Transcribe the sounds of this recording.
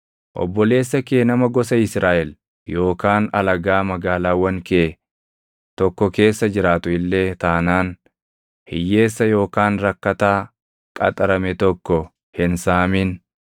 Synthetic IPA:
ʔɔ̰bːɔle̞ːsːɐkeːnɐmɐɡɔsɐɪsɾaːʔɛl | jo̞ːkaːnɐlɐɡaːmɐɡaːlaːwːɐŋke | t̪ɔkːɔke̞ːsːɐd͡ʒɪɾaːt̪ʊɪlːe̞ːt̪aːnaːn | hɪjːe̞ːsːɐjo̞ːkaːnɾɐkːɐt̪aː | kʼɐ̰t̪ʼɐɾɐmɛt̪ɔkːɔ | hɪnsaːmɪn

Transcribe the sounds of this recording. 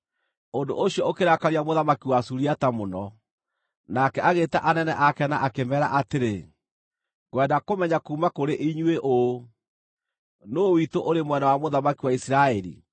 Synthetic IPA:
ondo̰ʔoɕjɔokeɾakaɾiamoðamakiwasuɾiatamonɔ | nakɛaɣetaʔanɛnɛʔakɛnaʔakemɛːɾa̰ʔateɾe | ɣwɛndakomɛɲakuːmakoɾeʔiɲweʔo | nowitoʔoɾemwɛnawamoðamakiwaisiɾaɛɾḭ

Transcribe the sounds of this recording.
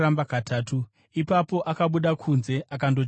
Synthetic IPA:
ambakatʰaːtu | ipapo̞ʔakaɓuɗakʰunze̞ʔakando̞

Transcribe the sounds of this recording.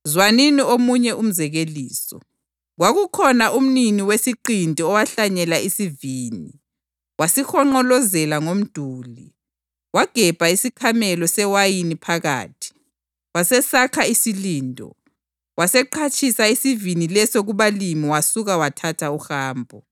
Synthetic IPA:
zwaniniomuɲɛʔum̩zɛɣeliːsɔ̰ | ɣwaɣukʰɔnaʔum̩niniwesiǃintʼiɔwaɬaɲɛlaisiviːni | wasixɔŋ͡ǃɔlɔzɛlaŋom̩d̥ʱuːli | waɡ̥ʱɛb̥ʱaisikʰamɛlɔsɛwajinipʰaɣa̰ːtʰi̥ | wasɛsakʰaisiliːndʱɔ̰ | wasɛǃʰat͡ʃʼʰisaisivinilɛsoɣuβalimiwasuɣawatʰatʰauxaːmbʱɔ

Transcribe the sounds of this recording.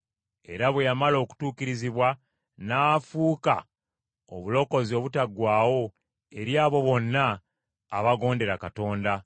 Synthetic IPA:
e̞̰ɾaβwejamalo̞ːku̥tuːkiɾiziβwa | naːfuːka | oβulo̞ko̞zio̞βutaɡwaːwo̞ | e̞ɾjaːβo̞βo̞nːaː | βaɡo̞ːnde̞ɾakato̞ːnda

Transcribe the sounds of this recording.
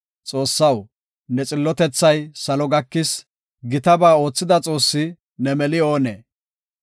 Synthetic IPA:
t͡sʼo̞ːsːɐw | nɛt͡sʼɪlːɔt̪ɛt͡sːɐjsɐlɔɡɐkːɪs | ɡɪt̪ɐbaːo̞ːt͡sːɪd̪ɐt͡sʼo̞ːsːɪ | nɛmɛlɪo̞ːnḛː

